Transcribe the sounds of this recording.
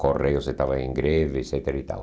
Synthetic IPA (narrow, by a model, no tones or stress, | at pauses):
korejoset̪aβaiŋɡɾeðeset̪eɾit̪a̰l